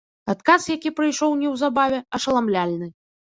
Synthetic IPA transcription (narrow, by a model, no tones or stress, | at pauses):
at̪kasjakʲipɾɨjʂɔwnʲɛwzabavʲɛɐʂɐlˠamlʲalʲnɨ